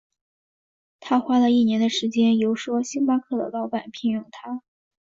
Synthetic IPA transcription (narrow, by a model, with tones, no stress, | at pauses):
t̪ʰa˥xwa˥lə˧i˥˩njɛ˧˥nd̪ə˨˧ʂɻ̩˧˥t͡ɕjɛ˥njo˧˥ʊʂwɔ˥ɕi˥pa˥kʰɤ˥˩d̪ə̰˩kɑ˥ʊpa˥˨˩npʰi˧˥njʊ˥˩ŋt̪ʰa˥